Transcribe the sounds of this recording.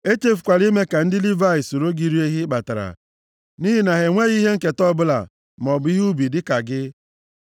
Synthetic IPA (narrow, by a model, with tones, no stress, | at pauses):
e˦t͡ʃe˦fu˨kʷa˨li˦me˦ka˨n̩˦dɪ˦li˦va˦˨i˨so˨ɾo˦ɡi˦ɾi˦e˦ɦi˦k͡pa˨ta˨ɾa̰˨ | ni˦ɦi˦na˨ɦe˨ŋʷe˦ɣi˦ɦe˦ŋ̩˦ke˨tɔ˦bʊ˦la̰˨ | m˨ɔ˨bʊ˨˦i˦ɦu˦bi˨dɪ˦ka˨ɡɪ˦